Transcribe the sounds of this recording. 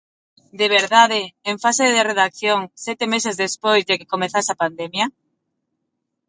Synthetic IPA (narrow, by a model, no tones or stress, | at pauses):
d̪eβ̞eɾðaðeːɱfaseðereðakθjoŋsɛt̪emesezðespojzðeke̥komeθasapand̪emja